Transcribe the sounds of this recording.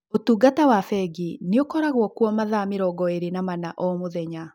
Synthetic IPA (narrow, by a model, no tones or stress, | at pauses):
otuːɡatawafɛɡineokɔɾaɣwɔkwɔmaðameɾɔɡɔeɾenamanaʔɔmoðɛɲa